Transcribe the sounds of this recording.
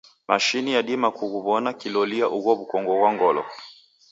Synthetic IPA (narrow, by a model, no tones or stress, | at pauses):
ma̰ʃinijaɗimakuɣuβɔnakilɔliaʔuɣɔβukɔŋɡɔɣwaŋɡɔlɔ̰